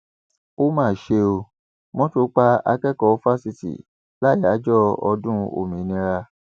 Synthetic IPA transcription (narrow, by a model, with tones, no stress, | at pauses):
o˦mãː˦˨ʃe˧o˧ | mɔ̃˦to˧˦k͡pa˧a˧kɛ˦kɔ˨˦fa˦si˧tḭ˨ | la˦˨ja˨˦d͡ʒɔ˦ɔ˧dũ˦o̰˨mĩ˨˦nĩ˧˦ɾa˧